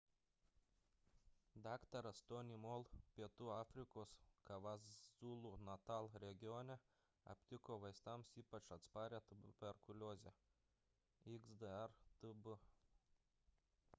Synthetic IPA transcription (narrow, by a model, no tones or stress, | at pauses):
d̪ɑːkt̪ɐɾɐst̪onʲimoːlˠpʲiɛt̪uːɑːfʲɾʲɪkoːskɐʋɑzzuːlˠunɐt̪ɑːlˠɾʲɛɡʲɪjɔnʲɛ | ɐ̰pʲt̪ʲɪkoːʋɐɪst̪ɐmsiːpɐt͡ʃɐt̪spɑːɾʲeːt̪ʊbbʲɛɾkʊlʲoːzʲɛ | iɡzd̪əɛɾt̪ʊbʊ